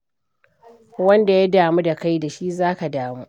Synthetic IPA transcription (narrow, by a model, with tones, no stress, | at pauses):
wɐ˦nda˨ja˦daː˨mu˦da˨ka˦jda˨ʃi˦zaː˦ka˨daː˨mu˦ʔ